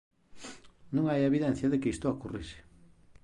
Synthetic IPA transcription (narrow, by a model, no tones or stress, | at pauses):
nũŋajeβiðenθjaðekeist̪oakuriʃe̥